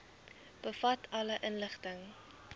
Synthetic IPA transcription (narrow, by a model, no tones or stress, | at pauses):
b̥əfɐtʰɐləʔənləχtəŋ